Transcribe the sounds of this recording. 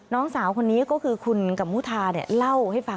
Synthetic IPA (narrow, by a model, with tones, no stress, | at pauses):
nɔː˦˥ŋsaː˩˦wkʰo˧nːiː˦˥kɔː˥˩kʰɯː˧kʰu˧nka˨˩muː˦˥˩t̪ʰaː˧ni˨˥˩ɐla˥˩wha˥˩jfa˧